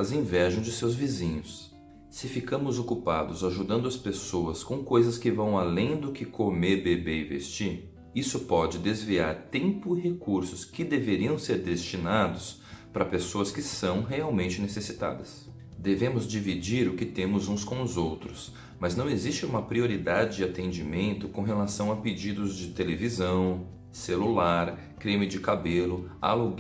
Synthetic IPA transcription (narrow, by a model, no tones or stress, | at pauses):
azẽj̃vɛʒɐ̃w̃d͡ʒɪsewzvizĩɲʊs | sɪfikɐ̃mʊzokupa̰d̪ʊzaʒud̪ɐ̃nd̪ʊɐspesoɐskõw̃kojzɐskɪvɐ̃w̃alẽj̃d̪ʊkɪkʰomeɾbebeɪvḛst͡ʃiɾ | isʊpɔd͡ʒɪd̪ezvia̰ɾt̪ẽmpʊiɦekuɾsʊskɪd̪eveɾiɐ̃w̃seɾd̪est͡ʃinad̪ʊs | pɾɐpesoɐskɪsɐ̃w̃ɦeawmẽnt͡ʃɪnesesit̪a̰d̪ɐs | d̪evẽmʊzd͡ʒivid͡ʒiɾʊkɪt̪ẽmʊzũskõw̃ʊzowt̪ɾʊs | mɐznɐ̃w̃ezist͡ʃɪũmɐpɾioɾid̪ad͡ʒɪd͡ʒɪat̪ẽnd͡ʒimẽnt̪ʊkõɦelasɐ̃w̃ɐped͡ʒid̪ʊzd͡ʒɪt̪elevizɐ̃w̃ | selulaɾ | kɾẽmɪd͡ʒɪkabelʊa̰luɡ